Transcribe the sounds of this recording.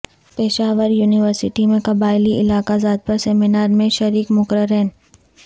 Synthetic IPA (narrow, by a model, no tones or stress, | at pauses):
peːʃaːʋəɾjuːnɪʋəɾsɪʈimẽkɐbaːɪliʔɪlaːkazaːd̪̚pɐɾsɛːmɪnaːɾmẽʃɐɾiːkmʊkɾəɾɛːn